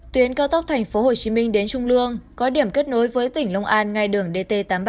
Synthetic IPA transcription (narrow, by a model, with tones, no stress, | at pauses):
t̪wi˨˦ənkaː˧wt̪ə˦˥k͡p̚t̪ʰɛ˨˩jŋ̟fo˨˦ho˨˩t͡ɕi˨˦mï˧ŋ̟ɗe˨˦nt͡ɕʊ˧ŋ͡mlɨ˧əŋkɔ˨˦ɗi˧˩əmke˦˥t̚no˨˦jvəː˨˦jt̪ï˧˩ŋlə˧wŋ͡mʔaː˧nŋa˧jɗɨ˨˩əŋɗe˧t̪e˧t̪aː˨˦mɓ